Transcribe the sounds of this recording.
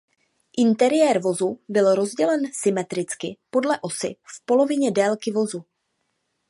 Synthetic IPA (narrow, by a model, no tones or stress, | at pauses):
ʔɪnt̪ɛɾɪjɛːɾvo̞zubɪlɾo̞zɟɛlɛnsɪmɛt̪ɾɪt͡skɪpo̞dlɛʔo̞sɪ̰fpo̞lo̞vɪɲɛdɛlkɪvozu